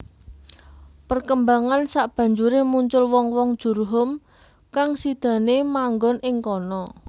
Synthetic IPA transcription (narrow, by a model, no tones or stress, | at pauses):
pərkəmbaŋansaʔb̥ä̤ɲd͡ʒuɾemuɲt͡ʃʊlwɔŋwɔŋd̥ʒ̥ṳrɦʊm | kaŋsid̪̥ä̤nemaŋɡɔnʔɪŋkɔnɔ